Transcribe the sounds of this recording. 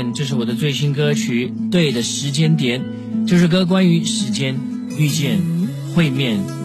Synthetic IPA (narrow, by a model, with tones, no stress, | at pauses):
nt͡ɕjo˥˧ʊʂɻ̩˥˩wɔ˨˩d̪ə˦t͡swe˥˩ɪɕi˥nkɤ˥t͡ɕʰy˧˥t̪we˥˩ɪd̪ə˩ʂɻ̩˧˥t͡ɕjɛ˥nt̪jɛ˨˧˥n | t͡ɕjo˥˧ʊʂɻ̩˥˩k̬ɤ˥k̬wa˥ny˧˥ʂɻ̩˧˥t͡ɕjɛ˥n | y˥˧t͡ɕjɛ˥˧n | xwe˥˧ɪmjɛ˥˩n